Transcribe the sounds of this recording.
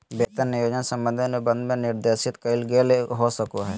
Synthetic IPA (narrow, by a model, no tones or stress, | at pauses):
beːt̪əɾːɪjoːd͡ʒənsɐ̃mbə̃nd̪ʱənebə̃nd̪mẽnɪɾd̪eːʃɪt̪kɐɪlɡeleɦosəkoɦɛː